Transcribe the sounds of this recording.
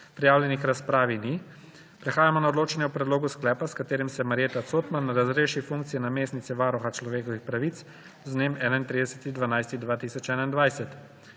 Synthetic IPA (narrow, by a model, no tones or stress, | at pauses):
pɾɛjaːwljɛnixɾaspɾaːʋini | pɾɛxaːjamɔnaod̪loːt͡ʃɛnjɛwpɾɛd̪loːɡusklɛːpaskat̪eːɾimsɛmaɾjeːt̪at̪soːt̪manːaɾazɾeːʃifuŋk̚t̪sijɛnameːstnit̪sɛʋaːɾɔxat͡ʃlɔʋeːkɔʋixpɾaʋit̪s | znemɛːnaint̪ɾid̪ɛsɛ̥t̪id̪ʋanajst̪id̪ʋaːt̪isɔt͡ʃɛːnaind̪ʋajsɛt̪